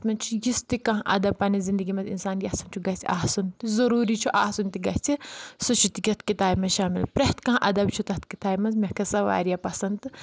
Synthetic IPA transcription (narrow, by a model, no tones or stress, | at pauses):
t̪mɐnt͡ʃʰujist̪ikɐ̃ɦʔɐ̰d̪ɐb̚pɐnizind̪əɡimɐnzḭnsaːnjɐsɐnt͡ʃʰuɡɐst͡sʲʰiaːɦsunt̪izɐɾuːɾit͡ʃʰuʔaːsunt̪iɡɐɦt͡sʰisut͡ʃʰut̪ikʲɐt̪kit̪aːjmɐzʃaːmḭlpɾɐt̪kɐ̃ːʔɐ̰d̪ɐbt͡ʃʰut̪ɐt̪̚kit̪aːjmɐnzmʲɐkʰɐsɐʋa̰ːɾijapɐsɐnd̪ɨ